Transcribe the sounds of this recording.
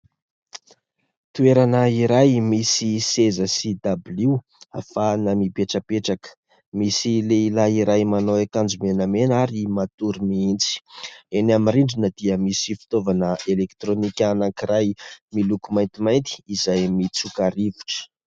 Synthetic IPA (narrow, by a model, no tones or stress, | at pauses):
t̪ueɾanəiɾajmisisezəsid̪ablu | a̰fanamibeʈ͡ʂəpeʈ͡ʂakə̥ | misileilaiɾajmanowekand͡ʒumenəmenaɾimat̪uɾimiint͡si̥enamiɾiɳɖ͡ʐinəd̪̥iəmisifi̥t̪ovanəelekt̪ɾonikʲanaŋkiɾajmilukumajnt̪imajnt̪i̥ːzajmit͡sukaɾivu̥ʈ͡ʂə̥